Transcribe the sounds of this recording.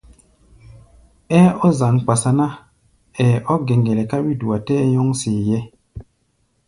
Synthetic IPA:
ɛ˦o˦za˨ŋk͡pa˨sa˦na˦ | ɛ˨o˦ɡe˨ŋɡe˨le˨ka˦wi˦du˨a˨teː˦jo˦ŋse˨je˦

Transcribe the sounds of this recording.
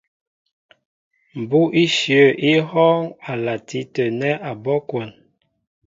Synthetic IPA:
m̩˨bu˦ʔi˦ʃə˦˨ʔi˦hɔ˦ŋa˨la˨tʰi˦tə˨nɛ˦ʔa˨bɔ˦kwɔ˨n

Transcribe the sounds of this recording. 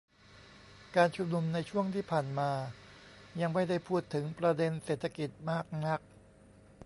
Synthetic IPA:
kaː˧nt͡ɕʰu˧˥mnu˧mna˧jt͡ɕʰu˥˩əŋt̪ʰiː˥˩pʰaː˨˩nmaː˧ | ja˧ŋma˥˩jda˥˩jpʰuː˥˩t̪ʰːɯ˩˦ŋpɾa˧de˧nseː˨˩t̪ʰːa˧ki˨˩t̪̚maː˥˩k̚na˦˥k̚

